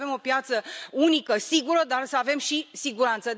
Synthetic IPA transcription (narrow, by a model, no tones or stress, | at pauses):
ve̞mo̞pjat̪səunikəsiɡuɾəd̪arsəave̞mʃisiɡuɾant̪sə